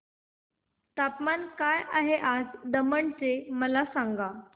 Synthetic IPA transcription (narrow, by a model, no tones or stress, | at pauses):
t̪apmankajʔaɦeʔad͡zd̪əməɳt͡seməlasaŋɡa